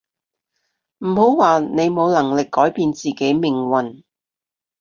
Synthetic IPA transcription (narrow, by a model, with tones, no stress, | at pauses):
m̩˨˩ho˨˥wwaː˨ne˨˧jmo˨˧wlɐ˨˩ŋlɪ˨kːɔː˨˥jpiː˧nt͡siː˨˩ke˨˥jmɪ˨˩ŋwɐ˨˩n